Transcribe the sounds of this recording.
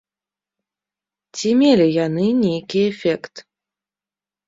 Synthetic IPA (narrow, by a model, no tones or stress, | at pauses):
t͡sʲimʲelʲijanɨnʲejkʲiefʲɛkt̪